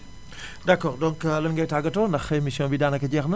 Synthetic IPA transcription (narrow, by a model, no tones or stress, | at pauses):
dakɔʁdɔ̃ŋklɐnŋɡɐjtaɡɐtonɐxemisjɔ̃bidaːnɐkɐɟɛxnɐ